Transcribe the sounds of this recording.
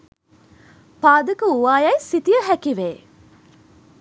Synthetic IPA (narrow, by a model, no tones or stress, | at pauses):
paːd̪əkəuʋaːjɐjsit̪ijəɦækiʋeː